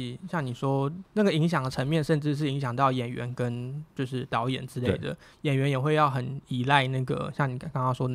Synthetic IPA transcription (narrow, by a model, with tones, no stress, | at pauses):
ɕjɑ˥˩ŋni˨˩ʂwɔ˦˥na˥˩ɡə˩i˧˥ŋɕ̬jɑ˨˩ŋd̪ə˩ʈ͡ʂʰə˧˥ŋmjɛ˥˧nʂə˥˧nʈ͡ʂɻ̩˥˧ʂ̬ɻ̩˥˩i˧˥ŋɕjɑ˨˩ŋt̪ɑ˥˩ʊjɛ˨˩nɥɛ̰˧˦nkə˦˥nt͡ɕjo˥˧ʊʂɻ̩˥˩t̪ɑ˧˥ʊjɛ̰˨˩nʈ͡ʂɻ̩˥le˥˧ɪd̪ə̰˩jɛ˨˩nɥɛ˧˥njɛ˨˩xwe˥˧ɪjɑ˥˩ʊxə˨˦ni˨˩la˥˧ɪna˥˩ɡə̰˩ɕjɑ˥˩ŋni˨˩˥kɑ˥ŋkɑ˥ŋʂwɔ˥